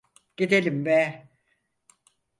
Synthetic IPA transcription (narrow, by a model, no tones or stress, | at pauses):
ɟ̥id̪elʲimbɛ